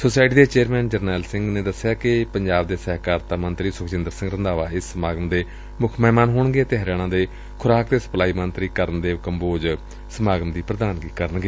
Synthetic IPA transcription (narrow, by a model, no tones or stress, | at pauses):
soːsaːɪʈiːd̪eːt͡ʃeːɾmɛːnd͡ʒəɾnɛːlsɪ̃ŋɡnẽːd̪əsːjaːkɪpəɲd͡ʒaːbd̪eːsɛːɦkaːɾt̪aːmənt̪ɾiːsʊkʰt͡ʃɪnd̪əɾsɪ̃ŋɡɾənd̪aːʋaːɪsːəmaːɡəmd̪eː | mʊkʰmɛːmaːnɦoːɳɡeːt̪eɦɾjaːɽ̃ãːd̪eː | kʰʊɾaːkt̪eːsə̥plaːiːmənt̪ɾiːkəɾənd̪eːʋɪkəmboːd͡ʒ | səmaːɡəmd̪iːpɾəd̪aːnɡiːkəɾənɡeː